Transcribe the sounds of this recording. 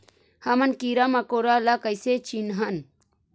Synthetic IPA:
hɐmənkiɾamakoɾalakəjset͡ʃinɦɐn

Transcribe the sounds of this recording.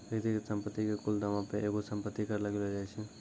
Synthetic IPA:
bəɡd̪iksəmpət̪ːikekuld̪ɐmãpeʔeːɡosəmpət̪ːikəɾləɡlɦod͡ʒaɛt͡ʃʰe

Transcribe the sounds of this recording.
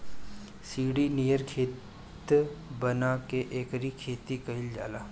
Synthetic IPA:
siːɽinijəɾkʰeː | t̪bənakeʔeːkɾikʰeːt̪ikɐɦɪld͡ʒa̰ːlaː

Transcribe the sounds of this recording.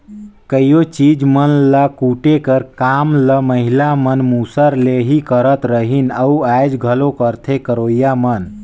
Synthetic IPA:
kəijot͡ʃid͡ʒmənlakuʈekəɾkamləməɦilamənmusəɾleɦikəɾət̪ɾəɦinəuajd͡ʒɡʱəlokəɾt̪ʰekəɾoːjamən

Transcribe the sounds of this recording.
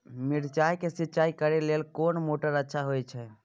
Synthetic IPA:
miɾt͡ʃajkesitːt͡ʃaikəɾelelkonmoʈəɾətːʃʰaɦojt͡ʃʰɛ

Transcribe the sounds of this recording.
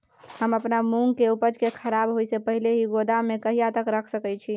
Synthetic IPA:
həməpnamuŋɡkeupəd͡ʒkekʰəɾabɦojsepəɦileɦiɡod̪amekəɦijat̪əkɾəkʰsəkɛt͡ʃʰi

